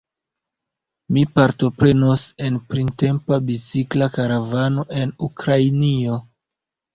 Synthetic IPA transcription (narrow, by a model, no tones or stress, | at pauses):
mipaɾto̞pɾe̞nose̞npɾinte̞mpabit͡siklakaɾavano̞ʔe̞nukɾajnio̞